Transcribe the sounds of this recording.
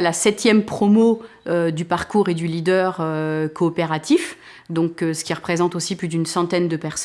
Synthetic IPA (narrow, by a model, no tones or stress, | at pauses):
lasɛt̪jɛmpχɔmo | ød̪ypaʁkuʁed̪ylid̪œʁøkɔːpeʁat̪if | d̪ɔ̃køsə̥kʲiʁəpχezɑ̃t̪osiplyd̪ynsɑ̃t̪ɛnd̪əpɛʁs